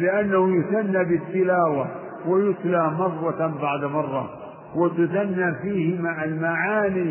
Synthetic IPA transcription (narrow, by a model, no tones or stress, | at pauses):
lɪʔanːahujʊθanːabɪt̪ːɪlaːwa | wajʊt̪lamɑrˤːɑbaʕd̪mɑrˤːɑ̰ | wɪt̪ʊθanːaːfiːhɪmaʕalmaʕaːniː